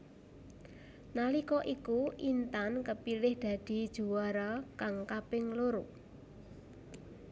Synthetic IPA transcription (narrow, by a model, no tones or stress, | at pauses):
nalikɔʔikuʔint̪ankəpilɪhd̪̥ä̤d̪̥i̤d̥ʒ̥ṳwaɾakaŋkapɪŋloɾu